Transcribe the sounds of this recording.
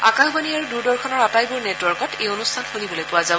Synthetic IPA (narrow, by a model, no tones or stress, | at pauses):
a̰kaxbaniaɹuduɹdɔɹkʰɔnɔɹapajbʊɹnetwɔɹkɔtejonustʰanxonibolojpʊwazab